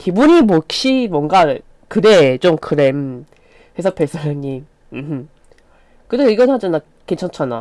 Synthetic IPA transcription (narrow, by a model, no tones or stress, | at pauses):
kibuɲimokɕ͈imwʌŋɡa | kɯɾet͡ɕomkɯɾem | hes̬ʰʌpʰes͈ʰɯɾeɲim | mɯmɯ | kɯdeiɡʌnɦad͡ʑana | kent͡ɕʰant͡ɕʰana̰